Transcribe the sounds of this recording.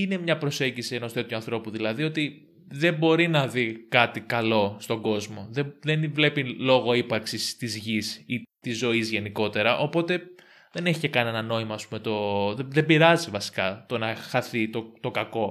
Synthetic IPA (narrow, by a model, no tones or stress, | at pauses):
ine̞mɲɐpɾo̞se̞ɲɟisieno̞st̪oe̞t̪juɐnθɾo̞puðilɐðio̞t̪i | ðe̞mbo̞ɾinɐðikɐt̪ikɐlo̞st̪o̞ŋɡo̞zmo̞ðeðenvle̞pilo̞ɣo̞ipɐɾksist̪izʝisit̪izːo̞izʝe̞niko̞t̪e̞ɾɐʔo̞po̞t̪e̞ | ðe̞neçicekɐnie̞nɐno̞imɐːspume̞t̪o̞ððembiɾɐzivɐsi̥kɐt̪o̞nɐxɐθit̪ot̪o̞kɐko̞